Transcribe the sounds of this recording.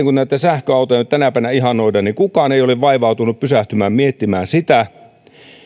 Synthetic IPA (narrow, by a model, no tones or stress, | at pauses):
eŋkunnæt̪ːæsæhkøɑˑut̪ɑeinyt̪t̪ænæpæiʋnæihɑnoideniŋkukɑːneijoleʋʋɑiʋɑˑut̪unuppysæht̪ymæːmmiet̪ːimæːnsit̪æ